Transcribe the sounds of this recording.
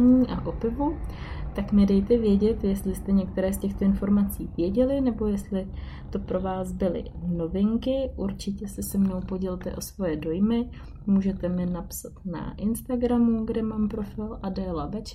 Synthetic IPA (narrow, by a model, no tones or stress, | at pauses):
ɲiːʔaʔo̞pɪvu | t̪aknɛdɛjt̪ɛvjɛɟɛt̪jɛst̪lɪst̪ɛɲɛk̚t̪ɛɾɛːscɛxt̪o̞ɪnfo̞ɾmat͡siːvjɛɟɛlɪnɛbo̞jɛst̪lɪ | t̪o̞pɾo̞vaːsbɪlɪ̰no̞vɪŋkɪʔuɾt͡ʃɪcɛsɪsɛmno̞wpo̞ɟɛlt̪ɛ̰ʔo̞svo̞jɛdo̞jmɪ | muːʒɛt̪ɛmɪnapsat̪na̰ʔɪnst̪aɡɾamuɡdɛmaːmpɾo̞fɪlʔadɛːlabɛt͡ʃ